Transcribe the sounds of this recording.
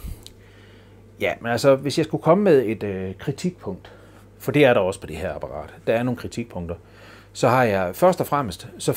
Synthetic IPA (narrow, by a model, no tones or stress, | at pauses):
jæmenælsɐʋe̝sjɑ̈ɪsɡ̥ukʰɒ̽məmeðˠe̝d̥økʰʁit͡sʰiɡ̥̚pʰɔ̽ŋ̰d̥ | fɒ̽d̥e̝æɐɾɑ̈ɒ̽spʰɒ̽d̥e̝hæɐ̰ɑ̈pʰɑ̈ʁɑ̰̈ːd̥d̥ɑ̈æɐno̝ːn̩kʁit͡sʰiɡ̥̚pʰɔ̽ŋ̰d̥ɐ | sɒ̽hɑ̈jɑ̈ɪfɶɐsd̥ɒfʁam̰əsd̥sɒ̽